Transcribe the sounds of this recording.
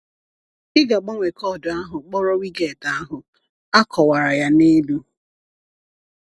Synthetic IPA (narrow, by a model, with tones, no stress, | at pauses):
ɪ˦ɡa˨ɡ͡bɔ˦ŋʷe˨kɔ˦˨dʊ˨a˦ɦʊ˨k͡pɔ˦ɾɔ˦wi˦ɡe˦˨ta˨a˦ɦʊ˨ | a˦kʰɔ˨wa˨ɾa˨ja˦ne˦du˦